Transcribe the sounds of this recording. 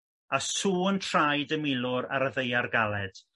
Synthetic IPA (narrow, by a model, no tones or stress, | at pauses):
asuːəntʰrajdəmɪlˠʊɾa̰ɾəðejarɡalˠɛd̥